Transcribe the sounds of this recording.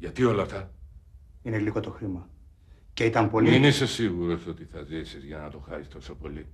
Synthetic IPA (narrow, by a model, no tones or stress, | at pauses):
ʝɐt̪io̞lɐft̪ɐ | ineliko̞t̪o̞xɾimɐ | ce̞it̪ɐmpo̞lmiinisesiɣuɾo̞so̞t̪iθɐzisizʝɐnɐt̪o̞xɐsist̪o̞so̞po̞li